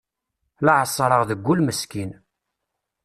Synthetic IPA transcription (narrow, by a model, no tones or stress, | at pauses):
laʕəsˤːɾˤəʁðəɡʷːulməskin